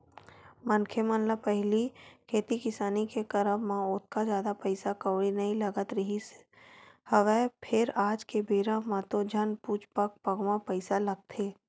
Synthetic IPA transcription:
mənkʰemə̃nləpɛɦlikʰeːt̪ikɪsaːnikekɐɾəbmãʊt̪̚ʰkad͡ʒjaːd̪apəɪsakəʋɽinɐĩlɐɡət̪ɾɐɦis | həʋɛpʰɪɾaːd͡ʒkebeːɾãmãt̪õd͡ʒʱɐnpuːt͡ʃpək̚pɐɡwãpɐɪsalɐɡ̚t̪ʰeː

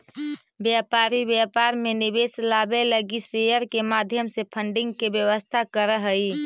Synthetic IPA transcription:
bjapaːɾibjapaɾmenɪbeslabeləɡisejəɾkemaːd̪ʱjəmsepʰəɳɖɪ̃ŋɡkebjəʋəst̪ʰakəɾəɦəi

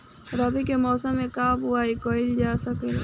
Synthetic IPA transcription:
ɾɐbikemɔːsəmːẽkaːbʊaikoːɪld͡ʒaːsɐkeː

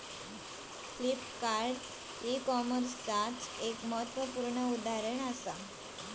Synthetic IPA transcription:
klipkaɾɖ | ikɔməɾst͡sat͡sekməɦət̪ʋəpuɾɳəud̪aɾəɳ̃əsa

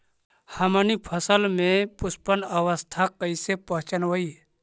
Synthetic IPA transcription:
həmənipʰəsəlmẽpʊspənəwəst̪ʰakəisepəɦt͡ʃənʋəi

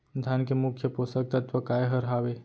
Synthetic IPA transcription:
d̪ʱjankemʊkʰjəposək̚t̪ɐt̪ʋəkaːeɦəɾɦaːʋe

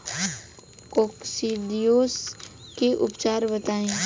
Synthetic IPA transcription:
koːksid̪ijoːs | keʔʊpt͡ʃaːɾbət̪aːẽː

